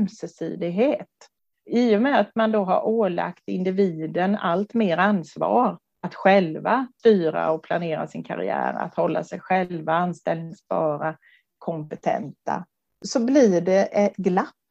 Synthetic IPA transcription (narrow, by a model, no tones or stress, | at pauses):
msəsḭːd̪ɪɡɦeːt̪ | ɪʊmɛat̪mand̪oɦa̰ɾʔoːla̰kt̪ɪnd̪ɪviːd̪ənalt̪meːɾanːsvɑːɾ | at̪ɧɛlvast̪yːɾa̰ɔpʰlaneːɾa̰sɪnkʰa̰ɾɪ̰æ̰ːɾa̰t̪hɔlːa̰sɛjɧɛlvaanst̪ɛlnɪŋsbɑːɾa | kʰɔmpɛt̪ʰɛ̰nt̪a̰ | sɔblɪɖɛʔɛt̪ɡlapː